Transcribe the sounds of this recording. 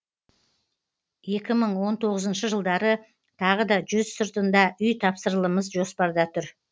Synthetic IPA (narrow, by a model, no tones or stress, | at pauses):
je̞kʲɪməɴwo̞nt̪ʰo̞ʁəzənʃəʒəlˠd̪ɑɾə | t̪ʰɑʁəd̪ɑʒʏzsəɾt̪ənd̪ɑʔʏjt̪ʰɑpsəɾlˠəməzʒo̞spɑɾd̪ɑt̪ʰʏɾ